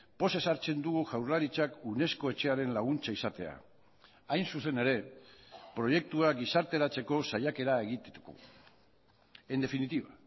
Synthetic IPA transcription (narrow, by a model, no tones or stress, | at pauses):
po̞se̞saɾt͡se̞nd̪uɣuʝawɾlaɾit͡ʃakune̞sko̞e̞t͡ʃe̞aɾe̞nlaɣ̞unt͡ʃaisat̪e̞a̰ | ajnsuse̞ne̞ɾe̞ | pɾo̞je̞k̚t̪uaɡisaɾt̪e̞ɾat͡se̞ko̞sajake̞ɾae̞ɣit̪et̪uko̰ | end̪e̞finit̪iβa